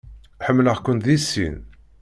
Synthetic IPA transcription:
ħəmːləʁkʷːənt̪ðisːḭn

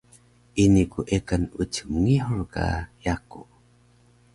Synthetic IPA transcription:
ʔinikuʔekənutumŋiħuɾka̰jaku

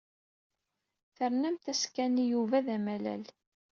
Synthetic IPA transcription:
θəɾnæmt̪æskænijuvæðæmælæ̰l

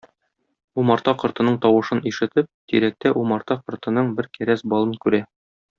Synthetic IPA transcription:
umɑɾt̪ɑqŏɾt̪ɤ̆nɤɴt̪ɒwɤ̆ʃɤniʃɘ̆t̪ɘp̚t̪iɾæk̚t̪æʔumɑɾt̪ɑqɤ̆ɾt̪ɤ̆nɤɴbɘɾkæɾæsbɒlˠɤŋkʉɾæ

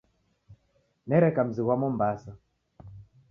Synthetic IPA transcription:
nɛɾɛkam̩ziɣwamɔm̩basa

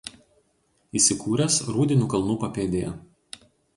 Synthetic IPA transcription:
iːsʲɪkuːɾʲɛsɾuːd̪ʲɪnʲuːkɐlˠnuːpɐpʲeːd̪ʲɪjɛ̰

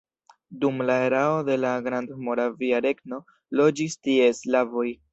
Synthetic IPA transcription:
dumlae̞ɾao̞de̞laɡɾandmo̞ɾaviaɾe̞ɡno̞ | lo̞d͡ʒistie̞slavo̞j

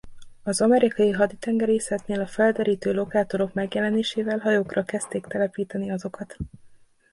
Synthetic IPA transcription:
ɒzɒmɛɾikɒjiɦɒd̪it̪ɛŋɡɛɾeːsɛt̪neːlɒfɛld̪ɛɾiːt̪øːlo̞kaːt̪o̞ɾo̞kmɛɡjɛlɛneːʃeːvɛlɦɒjoːkrɒkɛst̪eːkt̪ɛlɛpiːt̪ɛniɒzo̞kɒt̪

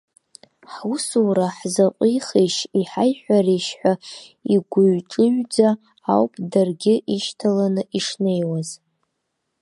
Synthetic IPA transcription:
ħusuwɾaħzaqʷʼiχiʃiħajħʷᶣaɾeʃħʷᶣaiɡʷʊɥʈ͡ʂʼɨɥd͡zaː | wpʼʰdarɡʲɪʔiʃtʰalanɨʔiʂne̞jwaz

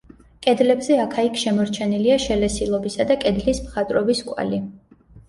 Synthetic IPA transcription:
kʼɛd̪lɛbzɛakʰaikʰʃɛmɔɾt͡ʃʰɛniliaʃɛlɛsilˠɔbisad̪akʼɛd̪lismχat̪ʼɾɔbiskʼwa̰li

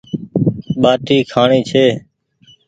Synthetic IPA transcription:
ɓaːʈiːkʰaːɳiːt͡ʃʰeː

